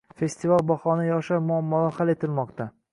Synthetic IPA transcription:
fe̞st̪ʰivalbɒχɒnajɒʃamɒamːɒlahale̞t̪ʰɪlmɒqt̪ʰa

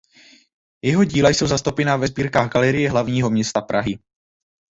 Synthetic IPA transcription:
jɛɦo̞ɟiːlajso̞wzast̪owpɛnaːvɛzbiːɾkaːɣɡalɛɾɪjɛɦlavɲiːɦo̞mɲɛst̪apɾʔaɦɪ

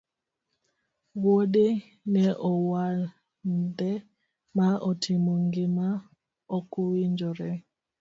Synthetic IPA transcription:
wode | nɛʔɔwal | ndɛ | maotʰimoŋɡima | okuwiɲd͡ʒɔɾɛ

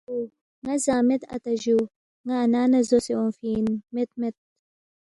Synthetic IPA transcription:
u | ŋɐzaːmɪt̪ɐ̰t̪ɐʒu | ŋaːnaːnɐzoseõnfiːnmet̪̚met̪̚

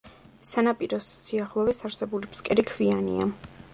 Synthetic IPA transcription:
sanapʼiɾɔsːiaχlˠɔvɛsaɾsɛbulipʰskʼɛɾikʰvianḭa̰

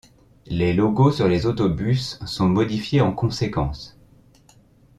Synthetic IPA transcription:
lelɔɡosyʁlezot̪ɔbysːɔ̃mɔd̪ifjeɑ̃kɔ̃sekɑ̰̃s

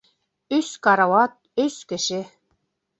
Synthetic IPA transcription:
yskɑɾɑwɑt̪̚øskɘ̆ʃɘ

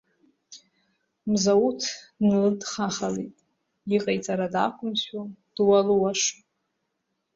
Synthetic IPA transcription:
mzautʰnɨldχaχalḛtʼ | iqʼajt͡sʼaɾadakʷʰʼʊmɕwad̥waluwaʂ

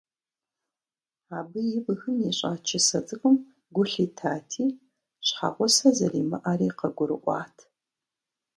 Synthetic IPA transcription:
aːbɨjɪbɨxɨmjiɕʼa̰ːt͡ʃʰɪsɐt͡sʼɨxʼʊm | ɡʷʊɬiːtʰaːtʰiː | ɕħa̰ʁʷɔsɐzɐriːmɐ̰ʔariːqɐɡʷʊɾɨ̰ʔʷɑ̰ːtʰ

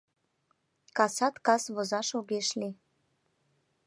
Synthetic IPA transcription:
kɑsɑt̪kɑsβozɑʃoɡeʃli

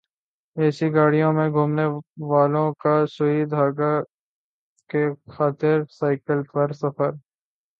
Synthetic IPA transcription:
ɛːsiɡaːɽijõmẽɡʱuːmneʋaːlõkaʃʊɦiːd̪aːɡa | kexaːt̪ɪɾsaːɪkəlpɐɾsɐfəɾ

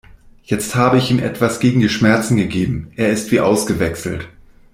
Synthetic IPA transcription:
jɛt͡sthaːbəɪçiːmʔɛ̰tv̥asɡ̥eːɡŋ̩diːʃmɛɐt͡sn̩ɡəɡeːbm̩ʔeːɐɪstv̥iːʔaʊsɡ̥əvɛksl̩t

